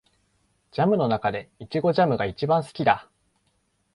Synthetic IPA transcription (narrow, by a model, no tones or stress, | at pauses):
d͡ʑamɯ̟no̞nakad̪e̞it͡ɕiɡo̞ʑamɯ̟ɡait͡ɕibãɰ̃sɨ̥kʲid̪a